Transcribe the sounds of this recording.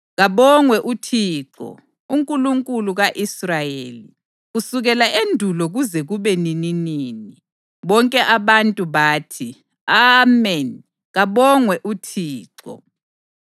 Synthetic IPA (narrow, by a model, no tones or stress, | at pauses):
ɣaβɔŋwɛʔutʰiːǁɔ̰ | uŋkʼuluŋkʼuluɣaʔisrajeːli | ɣusuɣɛlaʔendʱulɔɣuzɛɣuβɛnininiːni | βɔŋkʼɛʔaβantʼuβaːtʰi | amɛn | ɣaβɔŋwɛʔutʰiːǁɔ̰